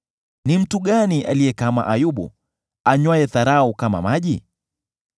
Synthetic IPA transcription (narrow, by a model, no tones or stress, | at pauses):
nim̩tuɠaniʔa̰lijɛkama̰ʔajuɓṵ | aɲwaɛθaɾaukama̰maʄi